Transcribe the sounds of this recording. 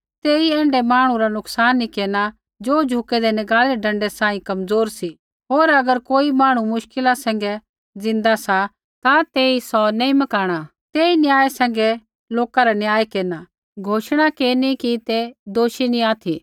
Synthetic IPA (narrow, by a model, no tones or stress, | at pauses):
t̪eːiɛ̃ːɳɖɛmaːɽ̃ũɾanʊksaːnːikeːna | d͡ʒoːd͡ʒʱukɛd̪ɛnɪɡaːleɖɐ̃ɳɖɛsãːĩkɐmd͡zoːɾsi | ɦoːɾɐɡəɾkoːimaːɽ̃ũmʊʃkɪlasɛ̃ːŋ̆ɡɛ | d͡zɪ̃nd̪asa | t̪at̪eːisɔnẽːĩmɐkaːɽ̃a | t̪eːinjaːesɛ̃ːŋ̆ɡɛ | loːkaɾanjaːekeːna | ɡʱoːʃɽ̃akeːnikit̪ed̪oːʃinĩaːt̪ʰi